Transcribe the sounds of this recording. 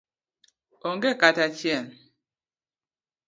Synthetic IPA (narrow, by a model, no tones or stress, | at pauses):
oŋɡekatat͡ʃjɛn